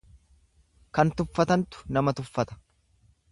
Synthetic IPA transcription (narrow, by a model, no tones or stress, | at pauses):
kɐnt̪ʊfːɐt̪ɐnt̪ʊ̥nɐmɐt̪ʊfːɐt̪ɐ̥